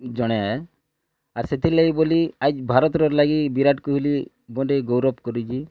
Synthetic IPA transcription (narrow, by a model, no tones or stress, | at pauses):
d͡ʒɔɽ̃eae | aɾset̪ʰiɾlaɡiboliad͡ʒbʱaɾɔt̪ɾɔɾlaɡibiɾaʈkuɦuli | bɔɖeɡɔwɾɔpkɔɾid͡ʒʰi